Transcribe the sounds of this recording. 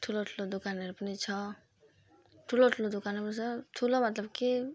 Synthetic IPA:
t̪ʰulot̪ʰulod̪ukanʌɾupʌnit͡sʰʌ | t̪ʰulot̪ʰulod̪ukanʌnisʌt̪ʰulomʌt̪lʌbki

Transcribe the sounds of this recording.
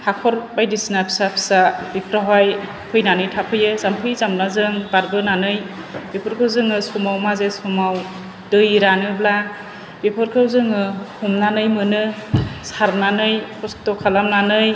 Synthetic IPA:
hakʰɔɾbajdisnapʰi̥sapʰi̥sabipʰɾaɦaj | pʰɯjnanɯjtʰapʰɯjɯzampʰɯjzamnazɯŋbaɾbɯnanɯj | b̥epʰɔɾkʰɯwzɯŋɯsɔmawmazesɔmaw | dɯjɾanɯbla | bepʰɔɾkʰɯwzɯŋɯhumnanɯjmɯnɯsaɾnanɯjkʰɔsktɔkʰalamnanɯj

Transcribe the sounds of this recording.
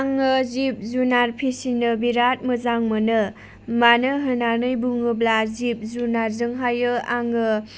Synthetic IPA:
aŋɯzip̚zunaɾpʰisinɯbiɾat̚mɯzaŋmɯnɯ | manɯɦɯnanɯjbuŋɯblazip̚zunaɾzɯŋɦajɯaŋɯ

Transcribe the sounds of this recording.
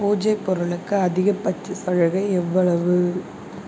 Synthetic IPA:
puːd͡ʒɐɪpːɔɾɯɭɯkːɯɐðɪɣɐpːɐt͡ʃːɯsɐɻɐɣɐɪɛʋːɐɭɐʋɯ

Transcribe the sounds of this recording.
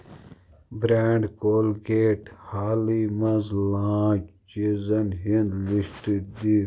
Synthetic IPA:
bɾaːɳɖkoːlɡeːʈhaːlimɐzlãːt͡ʃizɐnɦind̪liɕʈid̪i

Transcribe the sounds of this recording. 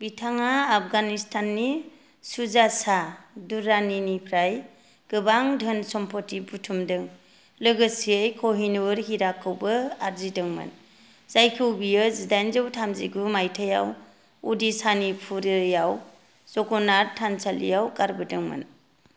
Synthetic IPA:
bitʰaŋaːp̚ʰɡanistʰanːi | suzasaduɾaninipʰɾaj | ɡ̥ɯbaŋdʱɯnsɔmpʰɔtibutʰumdɯŋ | lɯɡɯsiejkʰoɦinuɾɦiɾakʰːɯwbɯaɾzidɯŋmɯ̰n | zajkʰɯwbijɯzidajnzɯwtʰamziɡumajtʰaja̰w | udisanipʰuɾɯjaw | zɔkɔnaɾtʰansalḭjawkaɾbɯdɯŋmɯ̰n

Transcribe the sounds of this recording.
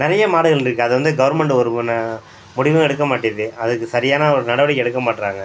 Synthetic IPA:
nɪɾɐjɐmaːɽɯɣɐɭɪɾɯkːɯɐðɯʋɐnd̪ɯɡɐʋɐɾmɛɳɖɯɔɾɯn | mʊɽɪʋɯ̃ɛɽɯkːɐmaːʈːɪɐðɯɐðɯkːɯsɐɾɪjaːnaɔɾɯnɐɽɐʋɐɽɪkːɛɽɯkːɐmaːʈːɪɾaːŋɡɐ

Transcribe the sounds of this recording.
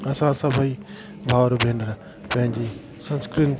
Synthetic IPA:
ɐsãsɐbʱəi | bʱaːwɾobʱenɾ | pɐ̃ɦɪ̃ɲd͡ʑi | sɐ̃nskɾin

